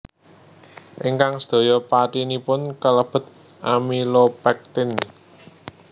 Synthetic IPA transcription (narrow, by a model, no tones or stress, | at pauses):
ʔiŋkaŋsə̥d̪̥o̤jɔpaʈinipʊnkələb̥ə̤t̪̚ | ʔamilopɛk̚t̪ɪn